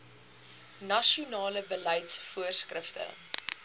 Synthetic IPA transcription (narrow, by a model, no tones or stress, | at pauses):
nɐʃiunɑːləbəlɐjtsfuərskrəftə̰